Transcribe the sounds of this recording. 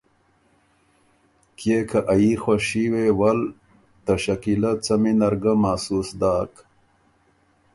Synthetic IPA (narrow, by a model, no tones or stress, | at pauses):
kjekʰaʔajixwaʂiwewɐl | t̪ɐɕɐkilɐt͡sɐminɐɾɡamaːsuːsd̪aːk